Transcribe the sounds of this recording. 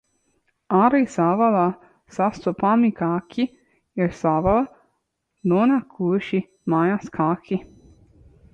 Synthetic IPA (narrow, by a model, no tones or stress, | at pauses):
aɾisaʋala | sast̪opamikʰaːkʰi | jɛɾsaʋala | d̪onakʰuʃi | majaskʰaːkʰi